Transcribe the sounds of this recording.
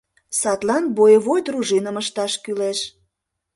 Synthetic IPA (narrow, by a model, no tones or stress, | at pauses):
sɑt̪lɑnbojəβojt̪ruʒinə̆məʃt̪ɑʃkyleʃ